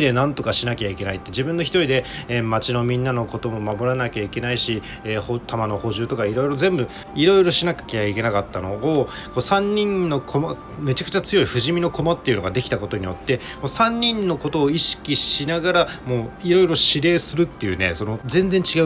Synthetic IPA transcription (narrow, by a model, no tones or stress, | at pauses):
d̪enãnt̪o̞kaɕinakʲaike̞nait̪ːe̞ʑibɯ̟̃nːo̞çʲi̥t̪o̞ɾʲid̪e̞mat͡ɕino̞mʲĩnːano̞ko̞t̪o̞mo̞mamo̞ɾanakʲaike̞naiɕi | eːhot̪amano̞ho̞ʑɨːt̪o̞kaiɾo̞iɾo̞zẽ̞mbɯ̟ | iɾo̞iɾo̞ɕinakʲḁkʲeaike̞nakat̪ːano̞ːko̞ːsãɲ̟ːĩnːo̞kʰo̞ma | me̞t͡ɕakɯ̟t͡ɕat͡sɨjo̞iɸɯ̟ʑimʲino̞ko̞mat̪ːe̞iɯ̟no̞ɡad̪e̞kʲi̥t̪ako̞t̪o̞ɲ̟ijo̞t̪ːe̞ | moːsãɲ̟ʲːĩnːo̞ko̞t̪o̞ːiɕi̥kʲiɕinaɡaɾamo̞ːiɾo̞iɾo̞ɕiɾe̞ːsɨɾɯt̪ːe̞jɯ̟ːne̞̰so̞no̞zẽ̞nd͡zẽ̞ɲ̟t͡ɕiɡa